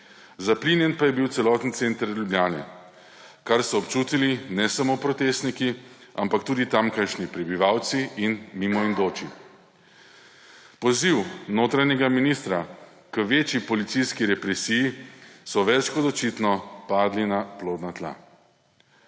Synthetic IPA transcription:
zaplinjɛnpajɛbiwt̪sɛlɔːt̪nisent̪əɾlʲjublʲjaːnɛ̰ | kaɾsɔːpt͡ʃuːt̪ilinɛsamoːpɾɔt̪eːst̪nikiampakt̪uːd̪it̪amkaʃnipɾɛbiʋaːwt̪siːnmimɔind̪oːt͡ʃi | pɔziwnoːt̪ɾaɲɛɡaminist̪ɾa | kəʋeːt͡ʃjipɔlit̪siskiɾɛpɾɛsijisɔʋɛt͡ʃkɔd̪ɔt͡ʃit̪nɔpaːd̪linaploːd̪nat̪la̰

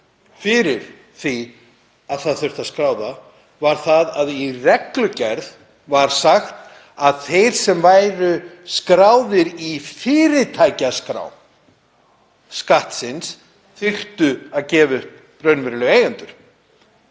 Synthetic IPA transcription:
fɪɾɪɾ̥ | θi | aðθaðθœht̪aðskɾaːwða | vaɾ̥θaðaðirɛklʏcɛɾð | vaɾ̥saxt̪ | aðθejɾ̥sɛmvaːjɾʏskɾaːwðɪɾifɪːɾɪt̪ʰajcaskɾa̰ːw | skaht̪sɪns | θɪr̥t̪ʏaðcɛːvʏht | pɾœɥnvɛɾʏlʏeːjʏnt̪ʏɾ̥

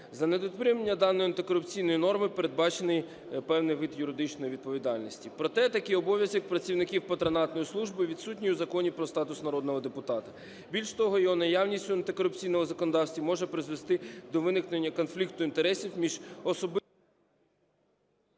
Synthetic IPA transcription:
zɐned̪ɔt̪pɾʲimenʲːɐd̪ɑnːɔjʊɐnt̪ɪkɔɾʊpt͡sʲijnɔjnɔrmɪpeɾed̪̚bɑt͡ʃenɪj | pɛwnɪjʋɪd̪jʊɾɪd̪ɪt͡ʃnɔjiʋʲid̪̚pɔʋʲid̪ɑlʲnisʲtʲipɾɔt̪ɛt̪ɐkɪjɔbɔʋʲjɐzʲɔk̚pɾɐt͡sʲiwnɪkʲiwpɐt̪ɾɐnɑt̪nɔjislˠuʒbɪʋʲid̪sutʲnʲiuzɐkɔnʲipɾɔst̪ɑt̪ʊsnɐɾɔd̪nɔɦɔd̪epʊt̪ɑt̪ɐ | bʲilʲʃt̪ɔɦɔjɔɦɔnɐjɑwnʲisʲtʲʊɐnt̪ɪkɔɾʊpt͡sʲijnɔmɔzɐkɔnɔd̪ɑwsʲt̪ʲʋʲimɔʒɛpɾɪzʋest̪ɪd̪ɔʋɪnɪknenʲːɐkɔnflʲik̚t̪ʊint̪eɾɛsʲiwmʲiʒ̥ɔsɔb

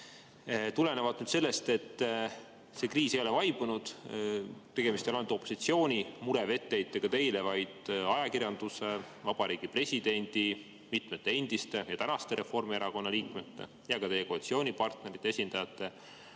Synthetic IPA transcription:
t̪ule̞ne̞vɑd̪nyd̪se̞lːe̞st̪e̞t̪ː | se̞kriːsejo̞le̞vɑjb̥unud̪̥ | t̪e̞ɡ̥e̞mist̪elont̪o̞pːˑosit̪sio̞ːnʲimuɾe̞ve̞t̪ːe̞jt̪ːekɑt̪e̞jle̞vɑjd̪̥ɑjɑkirjɑnd̪̥use | vɑb̥ɑɾiːɡ̥ipre̞sʲid̪̥e̞nʲd̪̥i | mit̪ˑmet̪ːˑe̞e̞nd̪̥ist̪e̞jɑt̪ænɑst̪e̞ɾe̞fo̞rmieɾɑko̞nːɑliːkmet̪ːe̞̰ | jɑkɑt̪e̞jekolt̪sio̞ːnʲipɑrt̪ne̞ɾit̪ːˑeesʲind̪̥ɑjɑt̪ːˑe̞

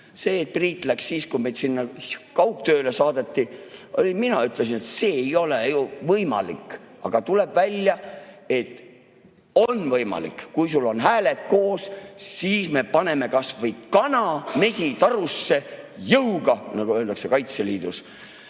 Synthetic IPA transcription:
se̞ːt̪̚priːt̪ːˑlækssiːskujmejd̪sinːɑkɑwkt̪øːle̞sɑːd̪̥e̞t̪ːiolʲiminɑyt̪lesinet̪se̞ːejo̞lejuvɤjmɑ̰lḭkː | ɑ̰ɡ̥ɑt̪uleb̥vælʲjɑe̞t̪ː | o̞nːvɤjmɑ̰lḭkːujsulːo̞nɦæːlet̪̚ko̞ːssiːsme̞pɑne̞me̞kɑsvɤjkɑnɑme̞sit̪ɑɾusːe̞jɤwɡ̥ɑnɑɡuøːld̪ɑksekɑjt̪seliːd̪̥us

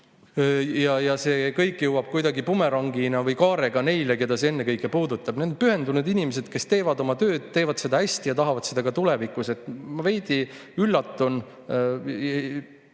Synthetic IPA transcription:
jɑjɑse̞ːkɤ̞jkːˑjewɑb̥̚kujd̪ɑɡipume̞ɾɑŋɡinɑvɤjkɑːɾe̞ɡ̥ɑne̞jleke̞d̪̥ɑsee̞nːe̞kɤjkːˑe̞puːd̪ut̪ˑːɑb̥ne̞d̪opyɦe̞nd̪unud̪̥inʲimes̬e̞d̪̥ke̞st̪e̞ːvɑd̪o̞mɑt̪ø̞ːd̪̥t̪ːe̞ːvɑd̪se̞d̪̥ɑhæsʲt̪ijɑt̪ɑɦɑvɑd̪̥sed̪̥ɑɡ̥ɑt̪ulevikˑuse̞t̪ːˑmɑve̞jd̪̥i | ylːɑt̪ːˑun | e

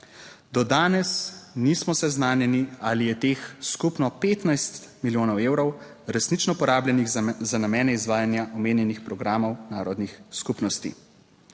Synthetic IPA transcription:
d̪ɔd̪aːnɛsnismɔsɛznaːnjɛnialijɛt̪eːxskupnɔpeːt̪najst̪miljoːnɔweːwɾɔw | ɾɛsnit͡ʃnɔpɔɾaːbljɛniɣzanamɛːnɛizʋaːjanjaʔɔmeːnjɛnixpɾɔɡɾaːmɔwnaːɾɔd̪nixskupnɔst̪ḭ

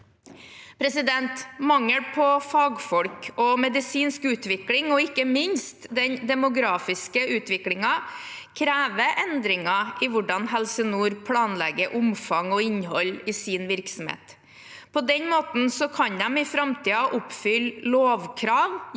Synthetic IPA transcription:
pʰɾɛsɪd̪ɛnt̪mɑŋːəɽpʰɔfɑːɡfɔlkɔmɛd̪ɪsiːnskʉːt̪ʋɪklɪŋɔɪkːəmɪɲst̪d̪ɛnd̪ɛmʊɡɾɑːfɪskəʉːt̪ʋɪklɪŋɑ | kʰɾæːʋəʔɛnd̪ɾɪŋɑʔɪʋʊɖɑnɦɛlsənuːɾpʰlɑːnlɛɡəʔʊmfɑŋɔɪɲɦɔlːɪsɪːnʋɪɾksm̩hḛːt̪ | pʰɔd̪ɛnmoːt̪n̩sɔkʰɑnd̪ɛmɪfɾɑmt̪ʰiːɑʔʊpfʏlloːʋkʰɾɑːʋ

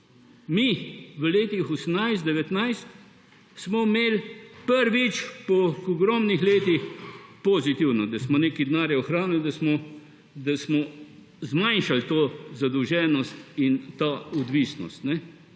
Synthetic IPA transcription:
miʋəleːt̪ixɔsəmnajst̪d̪ɛʋɛt̪najst̪ | smɔmeːlpəɾʋit͡ʃpɔkɔɡɾɔːmnixleːt̪ixpɔzit̪iwnɔd̪ɐsmɔneːkid̪naːɾjaɔxɾaːnild̪ɐsmɔ | d̪asmɔ | zmajnʃalt̪oːzad̪əwʒɛːnɔst̪int̪aɔd̪ʋiːsnɔ̰st̪nɛ

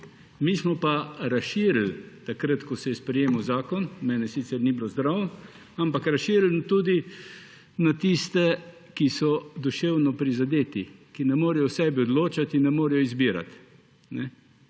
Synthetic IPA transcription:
miːsmɔpaɾasʃiːɾl̩t̪akɾət̪kɔsɛjɛspɾɛjeːməwzaːkɔnmɛːnɛsit̪sɛɾnibilozd̪ɾawn | ampakɾasʃiːɾlnt̪uːd̪i | nat̪ist̪ɛ | kisɔd̪ɔʃewnɔpɾizad̪eːt̪ikinɛmoːɾɛjɔsɛːbiɔd̪loːt͡ʃat̪inːɛmoːɾɛjɔizbiːɾa̰t̪ | nɛ

